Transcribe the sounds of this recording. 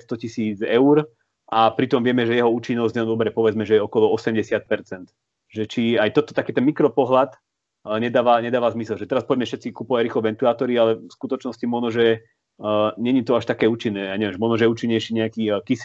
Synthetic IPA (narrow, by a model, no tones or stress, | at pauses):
st̪ɔcisiːd͡zɛʊɾ | ʔapɾit̪ɔmʋɪɛmɛʒɛjɛɦɔuːt͡ʃinːɔzɲɛd̪ɔbɾɛpɔʋɛd͡zmɛʒɛjɛɔkɔlɔɔsɛmɟɛsɪat̪̚pɛɾt͡sɛnt̪ | ʒɛt͡ʃiajt̪ɔt̪ɔ̥t̪akɛːt̪ɛnmikɾɔpɔɦlat̪ | ɲɛd̪aːʋaɲɛd̪aːʋazmisɛlʒɛt̪ɛɾaspɔɟmɛfʃɛt̪t͡sikupɔʋaɟɾiːxlɔʋɛnt̪ulaːt̪ɔɾialɛfskut̪ɔt͡ʃnɔscimɔʒnɔʒɛ | ɲɛɲit̪ɔaʃt̪akɛːuːt͡ʃinːɛːjaːɲɛʋjɛmʒmɔnɔʒɛjɛuːt͡ʃiɲːɛjʃiːɲɛakiːkis